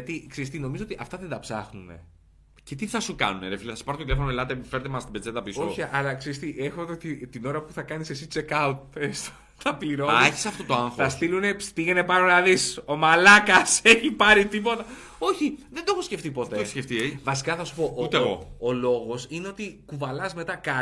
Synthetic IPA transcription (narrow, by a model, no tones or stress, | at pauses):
ɐt̪ikseɾist̪ino̞mizoot̪iʔɐft̪ɐðed̪ɐpsɐ̰xnune̞̰ | cet̪iθɐsukɐ̰nuneɾefileθɐsu̥ɐɾotot̪ilefonoelɐt̪epfeɾet̪emɐst̪ibed͡ze̞t̪ɐpisoçiɐlɐkseɾist̪iʔexot̪ot̪it̪ino̞ɾɐpu̥θɐkɐnise̞sit͡ʃekɐut̪̚est̪ | t̪ɐpliɾoɐçi̥sɐft̪ot̪oɐŋxɐst̪ilune̞pst̪iʝenepɐɾonɐðiso̞mɐlɐkɐseçipɐɾit̪ipo̞t̪ɐ | o̞çiðend̪oxosceft̪ipo̞t̪eosceft̪ievɐsi̥kɐθɐsu̥po̞ʔut̪eɣo̰olo̞ɣo̞sine̞o̞t̪ikuvɐlɐzme̞t̪ɐkɐ